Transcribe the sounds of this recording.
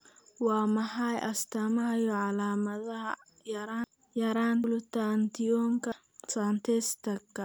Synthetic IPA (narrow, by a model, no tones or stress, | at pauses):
wɑːmɐħɑjʔɐst̪ʰɐmɐɦɐjɔʕɑlaːmɐðɐɦɐ | jɐɾa | jɐɾaːnlʊt̪ant̪ʰɪɔːŋkʰɐ | sant̪ʰɛst̪ʰɐkʰːɐ